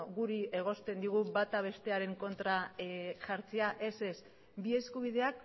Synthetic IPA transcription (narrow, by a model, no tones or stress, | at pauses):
ɣuɾie̞ɣ̞o̞st̪e̞nd̪iɣ̞ubat̪aβ̞e̞st̪e̞aɾe̞ŋko̞nt̪ɾaʝaɾt͡seaʔe̞se̞s | bie̞skuβiðe̞ak